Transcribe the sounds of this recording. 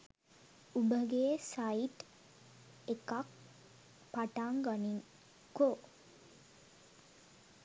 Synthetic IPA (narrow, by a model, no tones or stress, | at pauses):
ubəɡesajiʈ | ekak̚ | paʈaŋɡaniŋ | ko